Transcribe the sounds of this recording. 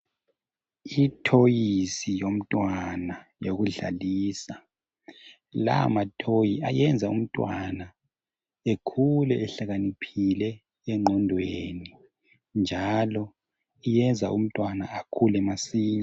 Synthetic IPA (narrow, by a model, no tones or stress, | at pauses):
itʰojisijom̩tʼwanajoɣuɮa̰liːsa | la̰matʰojiajɛnd͡zʱaṵm̩tʼwana | ekʰulɛʔɛɬaɣanipʰilɛ | ɛŋ͡ǃʱɔndʱweːni | nd͡ʒʱalɔ | ijɛnd͡zʱaʔum̩tʼwanaːkʰulɛmasiːɲa